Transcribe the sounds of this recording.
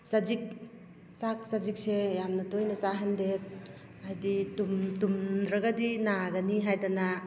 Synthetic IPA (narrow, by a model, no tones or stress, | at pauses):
sad͡ʒik̚ | sak̚sad͡ʒik̚sejamnɐtojnɐsaɦendet̚ | ajditumtumdɾaɡadinaɡaniɦajdana